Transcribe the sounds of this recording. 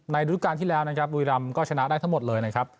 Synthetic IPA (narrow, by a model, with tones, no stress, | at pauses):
na˧jɾu˦˥kːaː˧nt̪ʰi˥˩lɛː˦˥wna˦˥kʰɾa˦˥p̚ɾu˧ɾa˧mkɔː˥˩t͡ɕʰa˧na˦˥daː˥˩j̪ʰa˦˥ŋmo˨˩t̪̚lɤː˧jna˦˥kʰɾa˦˥p̚